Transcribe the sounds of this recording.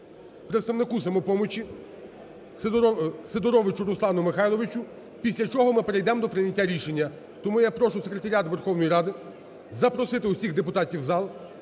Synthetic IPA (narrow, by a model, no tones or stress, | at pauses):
pɾet̪st̪ɐʋnɪkusɐmɔpɔmɔt͡ʃʲi | sed̪ɔɾɔʋɪt͡ʃʊɾʊslˠɑnʊmɪxɑjlˠɔʋɪt͡ʃʊ | pʲisʲlʲɐt͡ʃɔɦɔmɪpeɾejd̪ɛmd̪ɔpɾɪnʲɐtʲːaɾʲiʃenʲːɐ | t̪ɔmujapɾɔʃʊsekɾe̞t̪ɐɾʲat̪ʋerxɔwnɔjiɾɑd̪ɪ | zɐpɾɔsɪt̪ɪusʲiɣd̪epʊt̪ɑtʲiwzɑlˠ